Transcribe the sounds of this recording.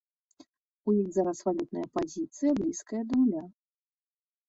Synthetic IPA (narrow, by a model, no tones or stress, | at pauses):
ujixzaɾɐsvalʲut̪nɐjɐpazʲit̪sɨjɐblʲiskɐjɐd̪ɐwlʲa